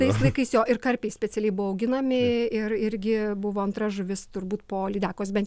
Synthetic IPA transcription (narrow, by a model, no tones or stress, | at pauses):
tɐɪslˠɐɪkɐɪsjoːʔɪrkɐɾʲpʲɛɪsʲpʲɛt͡ssʲɛlʲɛɪbʊʋːɔɐʊɡʲɪnɐmʲɪɪrɪɾʲɡʲɪbʊʋoːɐnt̪ɾɐʒʊʋʲɪst̪ʊɾbuːt̪poːlʲɪd̪ʲæːkoːsbʲɛnt̪